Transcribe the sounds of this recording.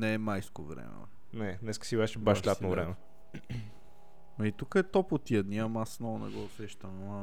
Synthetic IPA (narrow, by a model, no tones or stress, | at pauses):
nɛɛmajskovɾɛ̰mɛ̰ | nɛnɛskə̥sivaʃɛbaʃlʲat̪novɾɛmɛ | ɐit̪ukəɛt̪ɔpot̪iɛd̪niəmasnɔnɛ̰ɡɔʊsɛʃt̪əm